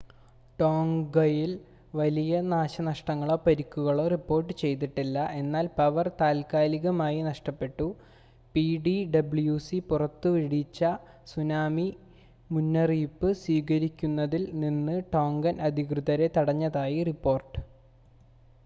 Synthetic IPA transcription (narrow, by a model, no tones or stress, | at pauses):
ʈo̞ːŋɡɐjil | ʋɐlijɐnaːɕɐnɐʂʈɐŋːɐɭo̞pɐɾikːuɣɐɭoːripːo̞ːrʈːɨt͡ɕe̞jt̪̬iʈːilːɐʔe̞nːaːlpɐʋɐrt̪aːlkaːliɣɐmaːjinɐʂʈɐpːe̞ʈːu | piɖiɖɐbɭjuːsipurɐt̪ːɨʋiɽit͡ɕːɐ | sunaːmi | munːɐriːpːɨswiːɣɐɾikʲːunːɐðilninːɨʈo̞ːŋɡɐnʔɐd̪ʱikrɨðɐɾe̞t̪ɐɽɐɲːɐðaːjiripːo̞ːrʈɨ̥